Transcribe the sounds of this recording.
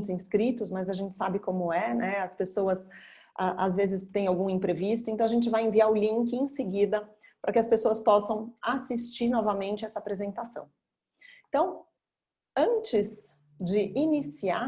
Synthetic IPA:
t̪ʊzĩskɾit̪ʊsmɐzɐʒẽnt͡ʃɪ̥sabɪkõmʊɛnɛɐspesoɐs | ʔaʔazvezɪst̪ẽj̃awɡũẽpɾevist̪ʊẽnt̪ɐ̃w̃aʒẽt͡ʃɪvajẽviaɾʊlĩŋkɪẽsɪɡid̪ɐ | pɾʔɐkɪɐspesoɐspɔsɐ̃w̃asist͡ʃiɾnɔvɐmẽnt͡ʃɪɛsɐapɾezẽnt̪asɐ̰̃w̃ | ẽt̪ɐ̃w̃ | ɐ̃t͡ʃɪz | d͡ʒɪʔinisia

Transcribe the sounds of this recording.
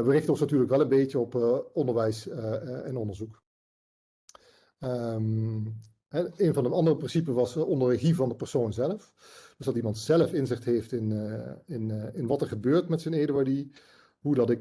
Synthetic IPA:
ʋərɪχtəɔ̃nsnatyːɹləkʋɛlənbejcəɔpɔndəɹʋɛjsɛnɔndəɹzuk | əm | ɦɛejnvɑndəɑndərəprɪnsipəʋɑsɔndəɹəχivɑndəpɛɹsownzɛləf | d̥øzdɑtimɑntsɛləfɪnzɪχtɦejftɪnɪnɪnʋɑtɛɹχəbøːɹtmɛtsəneːdəaɹdi | ɦudɑtɪk

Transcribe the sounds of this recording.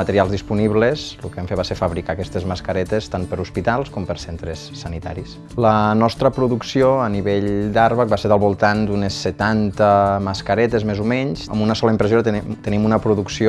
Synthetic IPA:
mət̪əɾialˠzðispuniβlezlukeɛmfeβaseɾfəβɾikakɛst̪ezməskəɾɛt̪est̪anpəɾuspit̪alˠskɔmpəɾsent̪ɾesːənit̪a̰ɾis | lənɔst̪ɾəpɾuðuksioəniβeʎd̪aɾβək̚baseɾðəlˠβulˠt̪and̪unesːət̪ant̪əməskəɾɛt̪ezmezumɛɲsə̰munəsɔləimpɾəzoɾət̪it̪ənimunəpɾuðuksio

